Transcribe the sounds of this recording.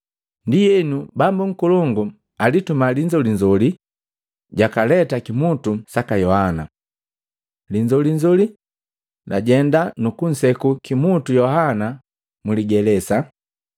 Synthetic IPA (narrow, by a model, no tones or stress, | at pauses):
ndijɛnubambuŋ̩kulɔŋɡu | alitumaliɲd͡ʒɔliɲd͡ʒɔli | ɟakalɛtakimutusakajɔhana̰ | liɲd͡ʒɔliɲd͡ʒɔli | laɟɛndanukun̩sɛkukimutujɔhana | muliɡɛlɛsa